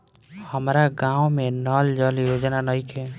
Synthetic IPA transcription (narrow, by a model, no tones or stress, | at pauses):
həmɾaɡãːwmẽnɔld͡ʒəljod͡ʒnanəikʰe